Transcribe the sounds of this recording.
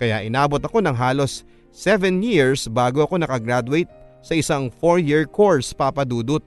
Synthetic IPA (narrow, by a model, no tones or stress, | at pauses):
kɐjaʔɪnaːbot̪ɐko̞nɐŋɦaːlo̞sː | ɛvɛnjiɹsbaːɡoʔɐko̞nɐkɐɡɾad̪ʊwɛjt̪̚ | sɐʔɪsaŋfoɹjiɹkʰo̞ɹspapɐd̪uːd̪ʊt̪̚